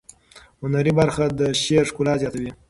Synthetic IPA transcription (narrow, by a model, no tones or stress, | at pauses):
hʊnaɾibaɾxad̪əʃeɾʂkulɑzjɑt̪awi